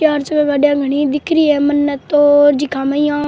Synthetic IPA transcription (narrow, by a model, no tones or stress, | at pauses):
jaːɾt͡ʃəmɛ̃ːʋaːɖjãːɡʱəɽ̃id̪ɪkʰɾiːɛːmənːət̪oːɾd͡ʒikʰãːmaijãː